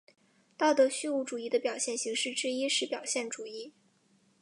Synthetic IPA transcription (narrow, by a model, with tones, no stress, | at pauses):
t̪ɑ˥˩ʊt̪ɤ˧˥ɕy˥u˧˥˩ʈ͡ʂu˨˩i˥˩d̪ə˧pjɑ˨˩ʊɕjɛ˥˩nɕi˧˥ŋʂɻ̩˥˩ʈ͡ʂɻ̩˥i˥ʂɻ̩˥˩pjɑ˨˩ʊɕjɛ˥˩nʈ͡ʂu˨˩i˥˩